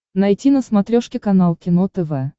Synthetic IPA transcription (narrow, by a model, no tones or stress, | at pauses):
nɐjtʲinəsmat̪ɾʲoʂkʲɪkɐnalˠkʲɪnot̪ɛvɛ